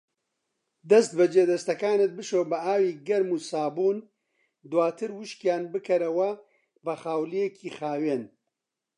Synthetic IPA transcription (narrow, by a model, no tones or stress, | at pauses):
d̪ɐst̪bɐd͡ʒeːd̪ɐst̪ɐkaːnɨt̪̚bɨʃoːbɐaːwiːɡɐɾmuːsaːbuːn | d̪waːt̪ʰɨɾwʊʃkjaːnbɨkʰɐɾɐwɐ | bɐxaːwlijekʰiːxaːweːn